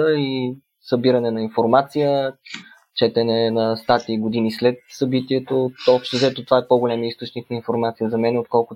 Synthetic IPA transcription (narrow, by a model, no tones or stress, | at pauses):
əi | sɐbiɾənɛnɐinfoɾmat̪sijə | t͡ʃɛt̪ɛnɛnɐst̪at̪iːɡod̪inislɛt̪̚sɐbit̪iɛt̪oɔpʃt̪ɛzɛt̪ot̪ovaɛpoɡolʲɛmiist̪ot͡ʃniknɐinfoɾmat̪sijəzɐmɛnɛot̪̚kɔlˠkʊ